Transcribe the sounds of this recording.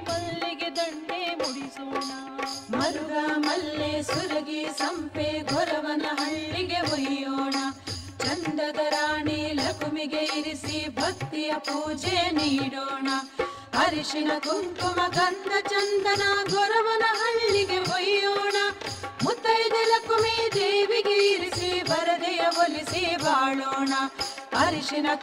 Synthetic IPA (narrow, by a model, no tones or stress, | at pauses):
mɐlːiɡed̪ɐɳɖeːmuɽisoːɳɐ | mɐɾuɾaːmɐlːesuɾɐɡisɐmpeːɡʱɔɾɐʋɐnɐɦɐɭːiɡeɦɔjjoːɳɐ | t͡ʃɐnd̪ɐd̪ɐɾaːɳilɐkumiɡeiɾisibʱɐk̚t̪ːijɐpuːd͡ʒeniːɽoːɳɐ | ɐɾiʂinɐɡuŋkumɐɡɐnd̪ʱɐt͡ʃɐnd̪ɐnɐɡɔɾɐʋɐnɐɦɐɭːiɡeɦojjoːɳɐmut̪ːɐjd̪elɐkumid̪eːʋiɡeiɾisibʱɐɾɐd̪ɛjɐʋolisibaːɭoːɳɐɐɾiʂinɐ